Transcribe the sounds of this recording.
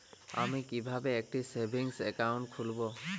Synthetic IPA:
a̰mikibʱabɛːk̚tisebʱiŋsɛkawntkʰulbɔ

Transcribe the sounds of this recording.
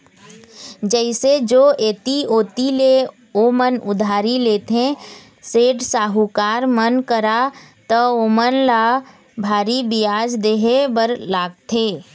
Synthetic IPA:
d͡ʒəɪsed͡ʒoːeːt̪ioːt̪ile | omənʊd̪ʱaːɾileːt̪ẽ | seːɖsaːɦukaːɾmənkəɾat̪əoːmənlaː | bʱaːɾibijaːd͡ʒd̪eːɦebəɾlaːɡ̚t̪ʰeː

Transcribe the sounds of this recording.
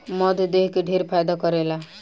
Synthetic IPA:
mɔd̪ʱd̪eɦkeɖʱeɾpʰajd̪akɔɾela

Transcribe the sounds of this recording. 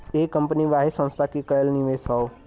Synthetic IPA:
ekɐ̃mpəniʋaːɦesɐ̃nst̪ʰakikɐjəlnĩʋesao

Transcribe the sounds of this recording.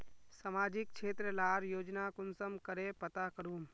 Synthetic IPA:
səmaːd͡ʒɪk̚t͡ʃʰeːt̪ɾəlaːɾjoːd͡ʒnakʊnsəmkəɾepət̪akəɾuːm

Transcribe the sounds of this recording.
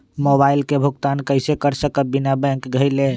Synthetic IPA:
mobailkebʱuɡt̪ankəɪsekəɾsəkəbinabɛ̃ŋkɡʱəjle

